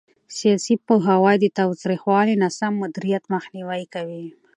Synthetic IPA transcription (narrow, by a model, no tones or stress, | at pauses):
sijɑsipəɦawɑjd̪ət̪ɑwt̪ɾixwɑlinasamːʊd̪iɾijat̪maxniwajkawi